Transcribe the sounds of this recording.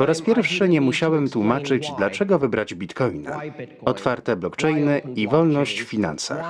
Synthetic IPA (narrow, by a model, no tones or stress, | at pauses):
pɔɾaspʲjɛɾfʂɘɲɛmuɕawɛmt̪wumat͡ʂɘd͡ʑd̪lat͡ʂɛɡɔvɘbɾad͡ʑbʲit̪kɔjna̰ | ɔt̪faɾt̪ɛblɔkt͡ʂɛjnɘivɔlnɔɕt͡ɕffʲina̰nsa̰x